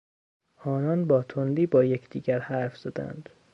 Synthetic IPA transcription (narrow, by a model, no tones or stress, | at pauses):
ɒːnɒnbɒːt̪ʰond̪iːbɒːjecʰd̪iːɟæɾhæɾfz̥ɒd̪æ̰nd̪̥